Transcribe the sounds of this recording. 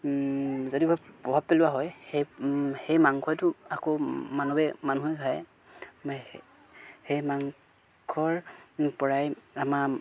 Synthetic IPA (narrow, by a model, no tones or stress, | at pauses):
zodibɔpɹɔbʱab̚pelʊwaɦɔjhejhejmaŋkʰɔjtʊakomanubɛmanuɦɛkʰaj | hejmaŋ | kʰɔɹpɔɹajama